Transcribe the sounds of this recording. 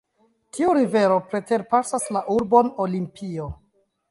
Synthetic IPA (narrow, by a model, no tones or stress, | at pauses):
tʰiuɾive̞ɾo̞pɾe̞te̞ɾpasaslaʔuɾbonolimpʰio̞